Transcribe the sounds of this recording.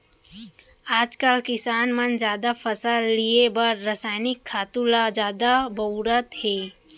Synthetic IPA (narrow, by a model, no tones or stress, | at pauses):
aːd͡ʒkəlkɪsaːnmənd͡ʒjaːd̪afʰəsalːiebəɾːəsaːɪnɪkʰːaːt̪ulad͡ʒjaːd̪abəɾət̪heː